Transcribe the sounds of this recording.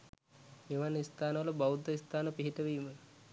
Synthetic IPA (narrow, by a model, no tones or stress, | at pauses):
miʋanist̪aːnəʋələbawud̪ʱːəist̪aːnəpiɦiʈəʋiːmə